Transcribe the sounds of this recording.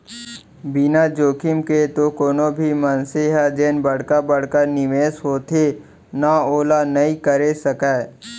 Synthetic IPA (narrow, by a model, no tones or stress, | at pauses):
bɪnad͡ʒoːkɪmket̪okoːnobʱimɐnseɦɛd͡ʒeːnbɐɽ̤kabɐɽ̤kəɾnɪmeːsɦoːt̪e | naoːlanɐĩkəɾesəkaː